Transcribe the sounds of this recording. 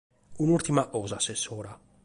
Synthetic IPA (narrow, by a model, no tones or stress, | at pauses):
unuɾt̪imaʔɔːzaːsːesːɔːɾa